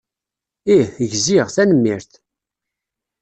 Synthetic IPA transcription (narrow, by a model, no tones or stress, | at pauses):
iəʝziʁθænəmːiɾθ